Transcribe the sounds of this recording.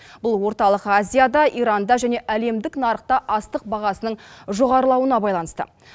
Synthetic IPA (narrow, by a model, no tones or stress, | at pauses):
b̥ʊlˠwo̞ɾt̪ɑlˠəqazʲijad̪ɑʔiɾɑnd̪ɑʒæne̞ʔæle̞md̪ɪknɑɾəq̚t̪ɑʔɑst̪əq̚bɑʁɑsənəɴʒo̞ʁɑɾəlˠɑwənɑbɑjlˠɑnəst̪ə̰